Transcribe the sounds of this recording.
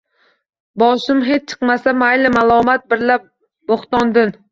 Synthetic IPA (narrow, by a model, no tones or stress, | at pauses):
bɒʃɪmɦet͡ʃ̚t͡ʃʰɨ̥qmasamajlɪmalˠɒmat̪̚bɪɾlap̚ | boχt̪ɒnd̪ɪn